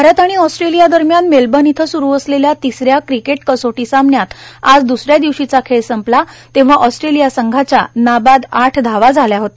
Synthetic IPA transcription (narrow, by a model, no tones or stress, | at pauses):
ɾat̪aɽ̃iɔsʈɾelijad̪əɾmjanmelbənit̪ʰəsuɾuːəsleljat̪isɾjakɾikeʈkəsoʈisamɳjat̪ad͡zd̪usɾjad̪iʋɕit͡sakʰeɭsəmplat̪ẽʋ̤aʔɔsʈɾelijasəŋɡʱat͡ɕja̰nabad̪aʈʰd̪ʱaʋad͡zʱaljaɦot̪